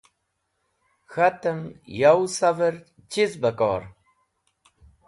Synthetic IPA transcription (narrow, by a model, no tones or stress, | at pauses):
xat̪əmjawsavəɾ | t͡ɕizbəkɔ̰ːɾ